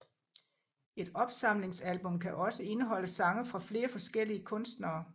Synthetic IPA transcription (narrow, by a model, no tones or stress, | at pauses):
e̝d̥ɒ̽b̥sɑ̈m̰le̝ŋsælb̥ɔ̽mkʰæʔɒ̽səe̝nəɦɒ̽l̰əsɑ̈ŋɐfʁɑ̈fle̝ːɐfɒ̽sɡ̥el̰iəkʰɔ̽nsd̥nɐː